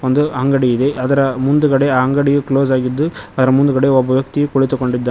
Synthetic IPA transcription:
ond̪uɐŋɡɐɽiːd̪e̞ʔɐd̪ɐɾɐmund̪ukɐɽe̞aɦɐŋɡɐɽijukloːsaːɡid̪ːuɐd̪ɐɾɐmund̪ukɐɽeɔbʱɐʋjɐk̚t̪ikoɭit̪ːukoɳɖid̪ːa

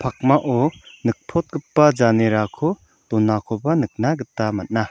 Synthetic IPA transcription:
pʰak̚maʔɔnɯk̚pʰɔt̪̚ɡɯpːad͡ʒaneɾakʰɔ | tɔnːakʰɔbanɯk̚naɡɯtːamat̚na

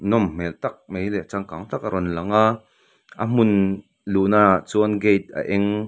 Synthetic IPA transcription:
nɔmmɛlt̪ak̚mejlɛt͡saŋkaŋt̪ak̚aɾɔnlɐŋa | ʔam̥un | lunat͡suɐnɡejt̪̚ʔa̰ʔɛŋ

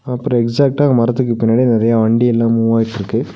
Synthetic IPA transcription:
ɐpːɯɾɔ̃ɛksaːk̚ʈaːɣɐmɐɾɐt̪ːɯkːɯpɪnːaːɽind̪ɪɾɐjaːʋɐɳɖiɛlːãːmuːʋaːjɪʈːɪɾɯkːɯ

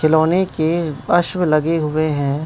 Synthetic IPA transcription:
kʰɪloːnekeɐʃwlɐɡeɦʊeɦɛ̃ː

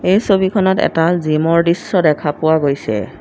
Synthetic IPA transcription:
ejsobikʰɔnɔtɛ̰tazimɔɹdisːɔdɛkʰapʊwaɡojsɛ̰

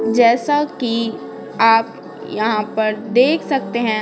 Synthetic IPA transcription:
d͡ʒɛːsaki | aːp | jɐɦãpɐɾd̪eːkʰsɐk̚t̪eɦɛ̃

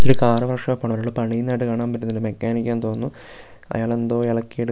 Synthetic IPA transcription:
t̪ːoɾukaːrɐʋɐrʂɐpːoːɳɐʋɐɾoːɭːɨpɐɳijnːaːjʈːɨkaːɳaːmpɐtːinːɐɾumekːaːnikʲːɐnt̪o̞ːnːu | ɐ̰jaːɭend̪oːeɭɐkːijeɽɨ

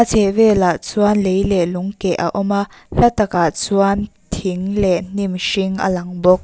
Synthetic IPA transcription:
at͡sʰɛʔvɛːlaʔt͡suanlejlɛluŋkɛʔa̰ʔɔma | ɬat̪akaʔt͡suan | t̪ʰiŋlɛʔn̥imʃiŋʔa̰laŋbɔk̚

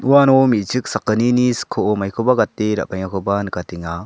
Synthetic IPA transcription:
uwanomit͡ʃɯk̚sakəniniskʰoʔomajkʰɯbaɡat̪ːeɾa̰ʔpajŋakʰɯbankat̪iŋa

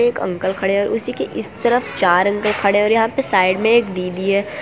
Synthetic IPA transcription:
eːkɐ̰̃ŋkəlkʰɐɽeɔːɾʔʊsikeʔɪst̪ɐɾəft͡ʃaːɾɐ̃ŋkəlkʰɐɽeɔːɾjɐɦãpesaːɪɖmẽeːkɖ̪iːd̪iɦɛː

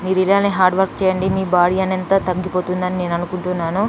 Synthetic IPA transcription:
miːɾuiɽaːlɐneɦaːɾɖʋɐɾkt͡ʃɛːjɐɳɖimiːbaːɽijɐnɐnt̪ɐt̪ɐɡːipo̞ːt̪und̪ɐnine̞ːnɐnukuɳʈunːaːnu

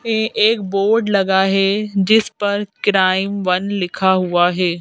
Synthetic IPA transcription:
ɛ̃ʔeːkboːɾɖlɐɠaːɦeːd͡ʑɪspɐɾkɾaːɪmʋɐnlɪkʰaɦuaːɦeː

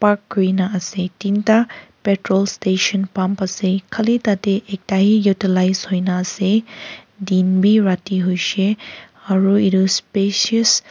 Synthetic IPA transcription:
pakɡɔjnaəsetintapeʈɾɔlsteʃənpampəsekʰalitateʔek̚taɦijutilajzhojnaːse | dinbʱiɹatiɦojse | aɹuiɾuspesiəs

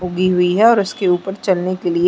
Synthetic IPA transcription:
ʊɡiɦʊiɦɛɔːɾʊskeuːpəɾt͡ʃɐlnekelie

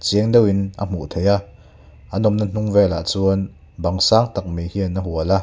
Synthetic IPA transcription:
t͡siəŋdewinʔa̰m̥ṵʔt̪ʰeja | ʔɐnɔmnɐn̥uŋvɛːla̰t͡suən | bɐŋsaːŋt̪ɐk̚mihianɐɦuala

